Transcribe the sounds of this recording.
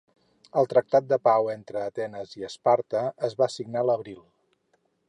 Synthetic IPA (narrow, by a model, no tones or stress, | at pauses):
əlˠt̪ɾək̚t̪at̪̚d̪əpawent̪ɾəːt̪ɛnəziəspaɾt̪əəzβasiɡnaləβɾilˠ